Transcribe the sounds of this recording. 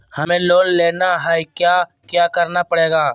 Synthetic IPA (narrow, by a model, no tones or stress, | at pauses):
hɐmẽloːnleːnaɦɛkjaː | kjaːkəɾnapəɽeːɡaː